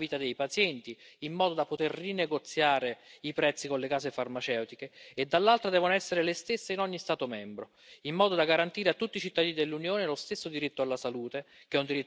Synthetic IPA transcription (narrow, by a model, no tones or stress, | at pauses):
viːt̪ad̪ejpat̪sjɛnt̪iːmːɔːd̪od̪apːot̪erːineɡot̪sːjaːɾeipɾɛt̪sːikonlekaːsefarmat͡ʃɛwt̪ikeːd̪ːalːalt̪ɾad̪ɛːvonoɛsːeɾelest̪esːeinɔɲːist̪aːt̪omɛmbɾo | imːɔːd̪od̪aɡaɾant̪iːɾeat̪ːut̪ːiːt͡ʃit̪ːad̪iːnid̪elːunjoːnelost̪esːod̪iɾit̪ːoalːasaluːt̪e | k̟ɛund̪iɾit̪ː